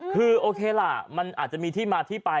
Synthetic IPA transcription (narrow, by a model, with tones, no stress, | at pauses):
kʰɯː˧ʔoː˧kʰeː˧la˨˩ma˧nʔaː˨˩t͡ɕa˨˩ʔmiː˧t̪ʰiː˥˩maː˧t̪ʰiː˥˩pa˧